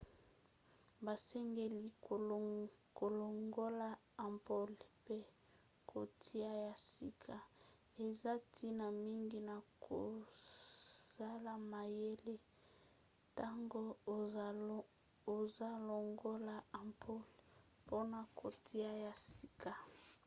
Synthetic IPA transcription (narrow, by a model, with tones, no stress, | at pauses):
ba˨sɛ˦ŋɡe˦li˨ko˨lo˨ŋɡo˦la˦ | a˨mpo˦lpe˦ | kʰo˨tʰi˦a˦ja˨si˦kʰa˨ | e˨za˦tʰi˦na˨mi˦ŋɡi˦na˨kʰo̰˨ | sa˦la˨ma˨je˦le˦ | ta˦ŋɡo˦˨ | o˨za˦lo˨ŋɡo˦la˦a˨mpʰo˦l | po˦na˨ko˨tʰi˦a˦ja˨si˨˦kʰa˨